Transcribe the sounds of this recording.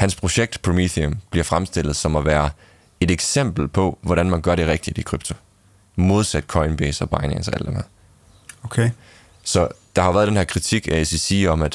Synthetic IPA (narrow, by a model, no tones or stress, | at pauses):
hænspʰʁo̝ɕeɡ̥̚d̥pʰomiðiomb̥liɐfʁamsd̥e̝l̰ð̩ˠsɒ̽mɒʋæːɐ | e̝deɡ̥sem̰b̥l̩pʰɒ̽ʋɒɾænmænɡ̥ɶɐɾ̥e̝ʁɛɡ̥d̥id̥ikʰʁyb̥t͡sʰo̝ | mo̝ð̞ˠsæd̥̚kʰɒ̽ɪnb̥esɒ̽b̥ɑ̈ɪnḛnsɒæ̰l̰d̥ḛmheɐ | okʰe | sɒ̽d̥ɑ̈hɑ̈ʋæːɐðˠd̥enheɐkʰʁit͡sʰiɡ̥æesisiɒ̽mæd̥